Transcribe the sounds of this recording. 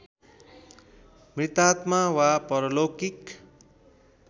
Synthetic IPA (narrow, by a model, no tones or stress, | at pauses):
mrit̪at̪mawapʌɾʌlokik